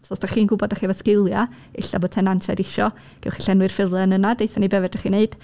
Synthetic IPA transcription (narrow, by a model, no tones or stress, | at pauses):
sɔstaχiːnɡʊbɔdaχivaskɪlˠja | ɪ̰ɬa̰bo̥ːtʰɛnansɛ̰dɪʃɔ | ɡ̥ɛ̰lˠχi̥ɬɛnwɨrfɪlˠɛnənadejθanibɛvɛdaχineɨd̥